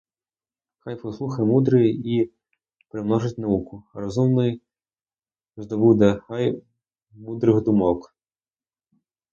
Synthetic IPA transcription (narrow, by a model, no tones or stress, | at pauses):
xajpɔslˠuxɐjmud̪ɾɪji | pɾɪmnɔʐɪtʲnɐukʊɾɔzumnɪj | zd̪ɔbud̪ɛxaj | mud̪ɾɪɣd̪ʊmɔk